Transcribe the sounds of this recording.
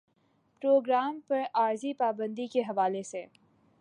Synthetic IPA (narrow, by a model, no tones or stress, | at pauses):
pɾoːɡɾaːmpɐɾaːɾzipaːbə̃nd̪ikeɦɐʋaːleseː